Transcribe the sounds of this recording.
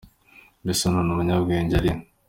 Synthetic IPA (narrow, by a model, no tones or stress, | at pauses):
bisononumuɲabɡeːɲɟaɾin